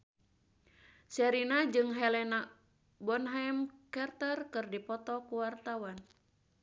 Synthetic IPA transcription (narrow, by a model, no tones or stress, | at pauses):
sɛɾinad͡ʒɨŋɦɛlɛna | bɔnɦamkɛrt̪arkɨrdipɔt̪ɔkuwart̪awan